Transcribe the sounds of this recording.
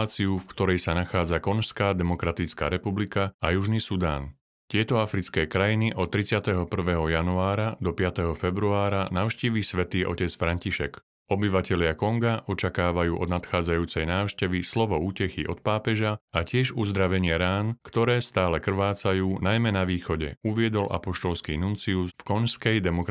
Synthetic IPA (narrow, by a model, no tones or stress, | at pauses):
t͡siufkt̪ɔɾɛjsanaxaːd͡zakɔnʃskaːd̪ɛmɔkɾat̪it͡ska̰ːɾɛpublikaajuʒnisud̪a̰ːn | t̪ɪɛt̪ɔafɾit͡skɛːkɾajiniʔɔt̪ːɾit͡sɪat̪ɛɦɔpr̩ʋɛːɦɔjanuaːɾad̪ɔpɪat̪ɛɦɔfɛbɾuaːɾanaʊʃciːʋisʋɛt̪iːʔɔ̰cɛt͡sfɾaɲciʃɛk | ɔbiʋacɛlɪakɔŋɡaʔɔt͡ʃakaːʋajuːʔɔ̰d̪nat̪xaːd͡zajuːt͡sɛjnaːʊʃcɛʋislɔʋɔuːcɛxiʔɔt̪̚paːpɛʒaacɪɛʒuzd̪ɾaʋɛɲɪɛɾaːnkt̪ɔɾɛːst̪aːlɛkr̩ʋaːt͡sajuːnajmɛnaʋiːxɔɟɛ̰uʋɪɛd̪ɔlʔa̰pɔʃt̪ɔlskiːnunt͡siusfkɔnskɛjd̪ɛmɔk